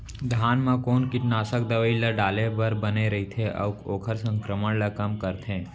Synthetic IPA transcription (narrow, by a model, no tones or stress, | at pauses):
d̪ʱaːnmãkoːnkɪʈnaːsək̚d̪ɐʋəilɐɖaːlebɐɾbɐneɾɐɦit̪ʰeʔɐ̰ʋkoːkʰəɾsə̃ŋkɾəməɽlɐkɐmkəɾt̪ʰẽː